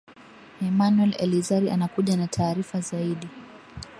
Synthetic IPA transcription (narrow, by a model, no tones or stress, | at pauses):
ɛmanwɛlɛ̰lizaɾiʔa̰nakuʄanatʰaːɾifazaiɗi